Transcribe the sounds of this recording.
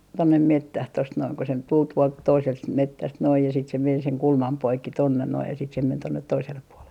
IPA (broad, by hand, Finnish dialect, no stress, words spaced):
tonːem metːæh tost noin ko se tul tuolt toiselt s metːæst noij jɑ sit se men seŋ kulmɑm poikːi tonːen noi jɑ sit se men tonːet toiselːep puolen